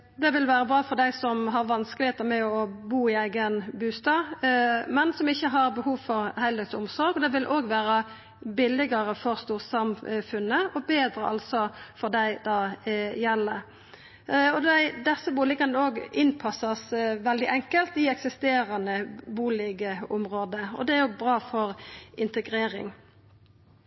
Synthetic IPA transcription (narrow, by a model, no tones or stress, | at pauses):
d̪ɛʋɪlʋæːɾəbɾɑːfɔɾd̪æɪsɔmɦɑɾʋɑnskəlɪheːt̪əɾmɛɔbuːɪæɪɡənbʉːst̪ɑːmɛnsɔmɪçːəɦɑɾbəhuːʋfɔɾhæɪlɛt̪sʊmsɔɾɡɔd̪ɛʋɪlʔoːɡʋæːɾə | bɪlɪɡəɾəfɔɾst̪uːʁsɑmfʉnəʔɔbeːd̪ɾə̰ʔɑ̰lt̪sɔfɔʁd̪æɪd̪ɑːjɛlːə | ɔd̪æɪd̪ɛsːəbuːlɪɡɑnəoːɡɪnpʰɑsːɑsʋɛld̪ɪʔɛŋkəlt̪ɪɛksɪst̪eːɾɑnəbuːlɪɡəʊmʁoːd̪əɔ̰d̪ɛæɾjʊbɾɑːfɔɾɪnt̪əɡɾeːɾɪ̰ŋ